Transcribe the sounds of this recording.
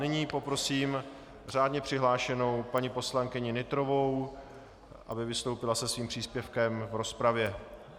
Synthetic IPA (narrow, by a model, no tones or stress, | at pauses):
nɪɲiːpo̞pɾo̞siːm | r̝aːdɲɛpr̥ɪɦlaːʃɛno̞wpaɲɪpo̞slaŋkɪɲɪnɪt̪ɾo̞vo̞w | ʔa̰bɪvɪst̪owpɪlasɛsviːmpr̥iːspjɛfkɛmvɾo̞spɾavjɛ